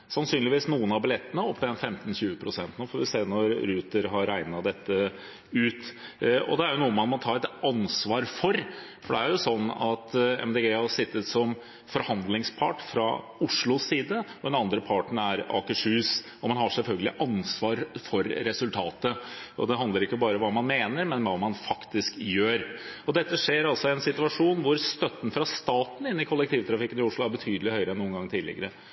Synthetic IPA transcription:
sɑnsyːnlɪʋiːsnuːənɑbɪlɛt̪ːənəɔp̪ːd̪ɛnfɛmt̪n̩çʉːəpʰɾʊsɛnt̪nɔfɔɾʋɪseːɾnɔɾɾʉːt̪əɾɦɑɾæɪnɑd̪ɛt̪ːə | ʉːt̪ɔ̰d̪ɛæɾjʊnuːəmɑt̪mɑnt̪ʰɑːɾɛt̪ɑnsʋɑːɾfɔɾ | fɔɖɛæɾjʊsɔnːɑt̪ɛ̰md̪eːɡeːɑʂɪt̪ːət̪sɔm | fɔɾhɑnd̪lɪŋspʰɑʈfɾɑ | ʊʂɭʊsiːd̪əɔd̪ɛnɑnd̪ɾəpʰɑʈɳ̩æɾɑ̰ːkəʂʉːs | ɔmɑnɦɑʂɛlfœlɡəlɪʔɑnsʋɑːɾfɔɾːɛsʉlt̪ʰɑːt̪əɔ̰d̪ɛɦɑnd̪ləɾɪkːəbɑːɾəɔʋɑːmɑnmeːnəɾmɛnʋɑːmɑnfɑkt̪ɪskjøːɾɔd̪ɛt̪ːəʂeːɾɑlsɔɪɛnsɪt̪ʉɑʂuːnʋʊɾst̪œt̪ːn̩fɾɑst̪ɑːt̪n̩ɪnːɪkʰɔlːɛk̚t̪ʰiːʋt̪ʰɾɑfɪkːənɪʊʂlʊæɾbət̪ʰyːd̪əlɪhœʏɾəɛnːuːənɡɑŋːt̪ʰiːlɪ̰ɡəɾə

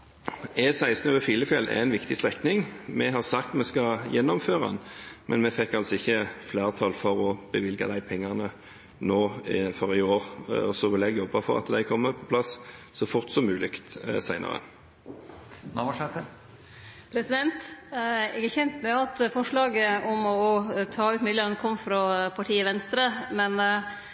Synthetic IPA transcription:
ɛːsæɪsnøʋəfiːləfɛlæ̰ɛnʋɪkt̪ɪst̪ʁɛknɪŋmɛɦɑʁsɑkt̪mɛskɑjɛnːɔmføːʁɑ̰nmɛnmɛfɛkːɑlsɔɪçːəflæːʁt̪ʰɑlfɔʁɔb̥əʋɪlɡɑ̰d̪æɪpʰɛŋːɑnə | noːfɔʁɪoːʁɔsɔʋɪlɛɡjɔbɑfɔʁɑ̰t̪d̪æɪkʰɔmːəpʰɔ̥pʰlɑssɔfʊʁt̪sɔmːʉːlɪkt̪sæɪnɑ̰ʁə̰ | nɑmʂɛt̪ə | pʰɾɛsɪd̪ɛnt̪ | ɛɡəçɛnt̪mɛɑt̪fɔʂɭɑːɡəɔmɔt̪ʰɑːʉːt̪mɪlənəkʰɔmːfɾɑpʰɑʈʰiːəʋɛnst̪ɾəmɛn

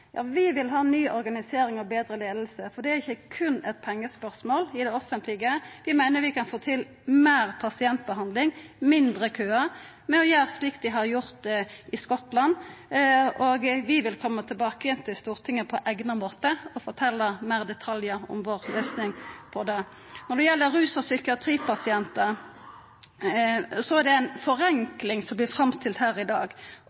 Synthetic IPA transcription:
jʔɑ̰ːʋɪʋɪlɦɑːnyːʔɔɾɡɑnɪseːɾɪŋɔbeːd̪ɾəleːd̪l̩səfɔd̪ɛæʁɪçːəkʰʉnɛt̪̚pʰɛŋːəspœʁsmoːlɪd̪ɛɔfənt̪ʰlɪɡəʋɪmæɪnəʋɪkʰɑnfoːt̪ʰɪl | meːɾpʰɑsɪɛnt̪̚bəɦɑnd̪lɪŋmɪnd̪ʁəkʰøːɑ | mɛɔjøːslik̚t̪d̪ɪɦɑʁjʊɾt̪ʔɪskɔt̪lɑn | ɔɡʋɪʋɪlkʰɔmːət̪ʰɪlbɑːkəjɛnt̪ʰɪlst̪uːʁt̪ʰɪŋːəpʰɔʔæɡnɑmoːt̪əɔfɔt̪ʰɛlːɑmæːʁd̪ɛt̪ʰɑljəɔ̰mʋoːʁlœʏsnɪŋpʰɔd̪ɛ | nɔɾɖ̪ɛjɛlːəɾɾʉːsɔsʏkɪɑt̪ʰɾiːpʰɑsɪɛnt̪ə | sɔæɖɛæɪnfɔɾɛŋklɪŋsɔmblɪfɾɑmst̪ʰɪlt̪hæːɾɪd̪ɑ̰ːɡ

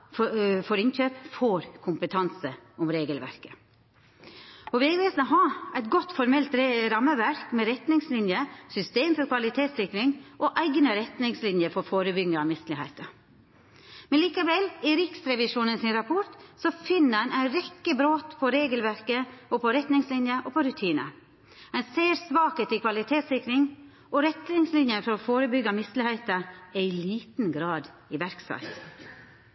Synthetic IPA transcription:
ffɔɾɪnçøːpfɔːɾkʰʊmpət̪ʰɑnsəʊmɾeːɡəlʋæ̰ɾkə̥ | ɔʋɪæʋɛːsnɔɦɑːæɪt̪̚ɡɔt̪fɔɾmɛlt̪ɾɾɑmːəʋæɾkmɛɾɛt̪nɪŋslɪnjəsʏst̪eːmfɔɾkʰʋɑlɪt̪ʰeːt̪sɪkɾɪŋʔɔʔæɪɡnəɾɛt̪nɪŋslɪnjəɾfɔɾfoːɾəbʏɡ̪əɑmɪst̪lɪhæɪt̪ə | mɛnliːkəʋɛlɪɾɪksɾɛʋɪʂuːnənsɪnɾɑpʰɔʈ̪sɔfɪnːəɑnʔæɪɾɛkːəbɾoːt̪pʰɔɾeːɡəlʋæɾkəɔpʰɔɾɛt̪nɪŋslɪnjəʔɔpʰɔɾʉt̪ʰiːnə̰ | æɪseːɾsʋɑːkət̪ɪkʰʋɑlɪt̪ʰeːt̪sɪkɾɪŋ | ʔɔɾɛt̪nɪŋslɪnjənfɔɾɔfoːɾəbʏɡːɑmɪst̪lɪhæɪt̪əæɪliːt̪n̩ɡɾɑːd̪ | ɪʋæɾksɑ̰ɪt̪

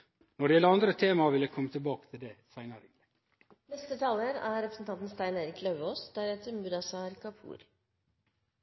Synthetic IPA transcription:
nɔɖɛjɛləɾɑnd̪ɾət̪ʰeːmɑʋɪləkʰɔmːət̪ʰɪlbɑːkə̥t̪ʰɪld̪eːsæɪnɑɾɪŋlɛ | nɛst̪ət̪ʰɑːləɾæɾɾɛpɾəsn̩t̪ɑnt̪n̩st̪æɪneːɾɪklœʋoːsd̪̥æɾɛt̪əɾmʉɾɑsɑɾkɑpʰṵːɾ

